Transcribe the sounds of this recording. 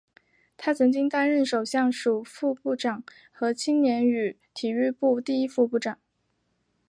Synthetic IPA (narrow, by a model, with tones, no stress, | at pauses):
t̪ʰa˥t͡sʰɤ˧˥ŋt͡ɕi˥ŋt̪a˥nɻə˥˩nʂo˨˩ʊɕjɑ˥˩ŋʂu˨˩fu˥˧pu˥˩ʈ͡ʂɑ˨˩˦ŋ | xɤ˧˥t͡ɕʰi˥ŋnjɛ˧˥ny˨˩ | t̪ʰi˨˩y˥˧pu˥˧t̪i˥˩i˥fu˥˧pu˥˩ʈ͡ʂɑ˨˩˦ŋ